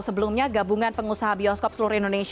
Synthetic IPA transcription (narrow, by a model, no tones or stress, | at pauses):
səbəlʊmɲaɡabuŋanpəŋusaɦabiɔskɔp̚sluɾindones